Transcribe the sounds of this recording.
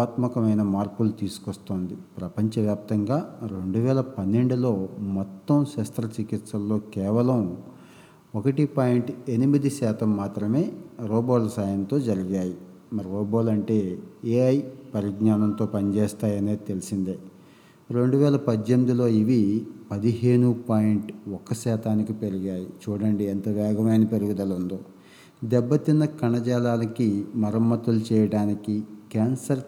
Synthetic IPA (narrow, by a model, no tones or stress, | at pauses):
aːt̪mɐkɐmɐjnɐmaːɾpulut̪iːsu̥kost̪o̞ːnd̪ipɾɐpɐɲt͡ʃɐʋjaːp̚t̪ɐŋɡaːɾe̞ɳɖuʋɛːlɐpɐnːe̞ɳɖulo̞ːmɔt̪ːɐmʃɛːst̪ɐɾɐt͡ʃikit̪sɐlːo̞ːkɛːʋɐlɐm | okɐʈipaːjiɳʈe̞nimid̪iʃɛːt̪ɐmːaːt̪ɾɐme̞ːɾoːboːlɐsaːjɐnt̪o̞ːd͡ʒɐɾiɡaːji | mɐɾiɾoːboːlɐɳʈe̞ːeːɐjpɐɾiɡnaːnɐnt̪o̞ːpɐnit͡ʃeːst̪aːjɐneːt̪e̞lisind̪eː | ɾe̞ɳɖuʋɛːlɐpɐd̪jemid̪ilo̞ːiʋipɐd̪iɦeːɳupaːjiɳʈɔkːɐsɛːt̪ʰaːnikipe̞ɾuɡaːjit͡ʃuːɽɐɳɖiɛnt̪ɐʋaːɡʱɐmɐjnɐpe̞ɾuɡud̪ɐlund̪oː | d̪ɛbːɐt̪inːɐkɐɳɐd͡ʒaːlaːlɐkimɐɾɐmːɐt̪ulut͡ʃɛːjɐɽaːnikikaːnsɐɾ